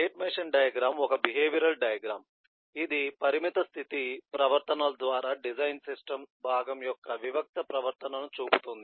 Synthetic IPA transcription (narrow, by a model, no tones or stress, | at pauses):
eːʈmeːʂɐnɖɐjɐɡɾaːmɔkɐbiɦeːʋiɾɐlɖɐjɐɡɾaːm | id̪ipɐɾimit̪ɐst̪ʰit̪ipɾɐʋɐɾt̪ɐnɐːlɐd̪ʋaːɾaːɖid͡ʒɐjnsisʈɐmbʱaːɡɐmjɔkːɐʋiʋɐk̚t̪ɐpɾɐʋɐɾt̪ɐnɐnut͡ʃuːput̪und̪i